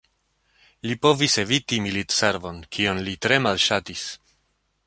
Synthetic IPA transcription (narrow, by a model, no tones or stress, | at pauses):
lipo̞vise̞vitimilitse̞ɾvo̞nkʰionlitɾe̞malʃatis